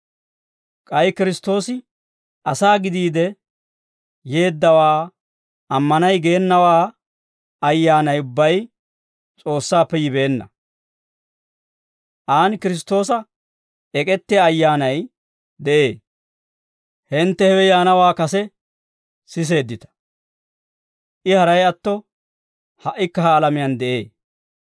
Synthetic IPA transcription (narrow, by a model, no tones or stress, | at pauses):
kʼɐjkɪɾɪst̪ːo̞ːsɪ | ɐsaːɡɪd̪iːd̪ɛ | je̞ːd̪ːɐwaː | ɐmːɐnɐjɡe̞ːnːɐwaː | ɐjːaːnɐjʊbːɐj | t͡sʼo̞ːsːaːpːɛjɪbe̞ːnːɐ̰ | ʔaːnkɪɾɪst̪o̞ːsɐ | ɛkʼɛt̪ːɪaːjːaːnɐj | d̪ɛʔe̞ː | hɛnt̪ːɛhɛwɛjaːnɐwaːkɐsɛ | sɪs̬e̞ːd̪ːɪt̪ɐ̥ | ʔɪhɐɾɐjɐt̪ːɔ | hɐʔːɪkːɐhaːlɐmɪjɐnd̪ɛʔḛː